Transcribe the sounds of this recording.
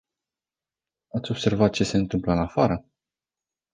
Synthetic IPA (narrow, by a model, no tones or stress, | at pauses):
at̪sʲo̞b̥se̞rvat̪̚t͡ʃe̞se̞ɨnt̪ɨmpləɨnafaɾə